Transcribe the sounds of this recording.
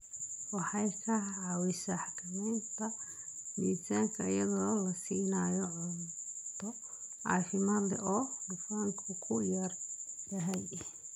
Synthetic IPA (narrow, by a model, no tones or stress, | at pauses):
wɑħɑjkʰɐʕɑwɪsɐħakʰɪmɛːnt̪ʰɐ | miːt̪ʰaːŋkʰɐɪjɐðɔːlɐsiːnaːjɔʕʊnt̪ʰɔ | ʕɑ̰ːfɪmaːd̪lɛʔɔːdɪfaːŋkʰʊkʰʊjɐrd̪̥ɐɦɛj